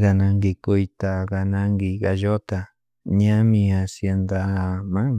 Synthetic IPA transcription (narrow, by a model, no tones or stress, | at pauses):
ɣanãŋɡikujt̪aɣanãŋɡiɣaʒot̪a | ɲãmĩasjend̪amãŋ